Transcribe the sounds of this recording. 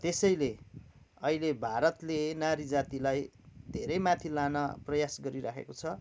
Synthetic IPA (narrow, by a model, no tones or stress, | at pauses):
t̪esʌjle | ʌilebʱaɾʌt̪lenaɾid͡zat̪ilaj | d̪ʱeɾʌjmãt̪ʰilãnʌprʌjasɡʌɾiɾakʰḛkot͡sʰʌ